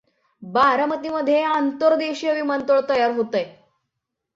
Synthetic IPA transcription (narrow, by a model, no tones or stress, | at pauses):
baɾəmət̪iməd̪ʱjeant̪əɾd̪eɕijəʋimənt̪əɭt̪əjaɾɦot̪əj